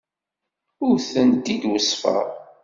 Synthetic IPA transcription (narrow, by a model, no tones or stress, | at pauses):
ʊɾθənd̪id̪wəsfə̰ʁ